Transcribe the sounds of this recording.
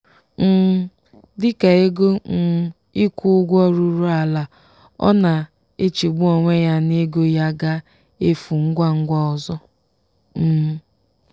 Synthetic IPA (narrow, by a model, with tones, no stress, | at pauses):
n̩˦ | dɪ˦ka˨e˦ɡo˦n̩˦ | i˦kʷu˦ʊ˦ɡʷɔ˦ɾu˦ɾu˦a˨la˨ | ɔ̰˦na˨ | e˦t͡ʃi˨ɡ͡bu˦o˨ŋʷe˦ja˦ne˦ɡo˦ja˦ɡa˦ | e˦fu˨ŋ̩˦ɡʷa˦ŋ̩˦ɡʷɔ˦ɔ˨zɔ˦ | m̩˦˨